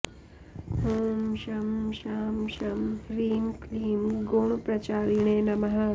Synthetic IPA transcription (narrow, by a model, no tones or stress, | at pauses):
ɦumʃɐmʃaːmʃɐmɾiːmkliːmɡoɳ̃upɾɐt͡ʃaːɾiɳeːnɐmɐɦɐ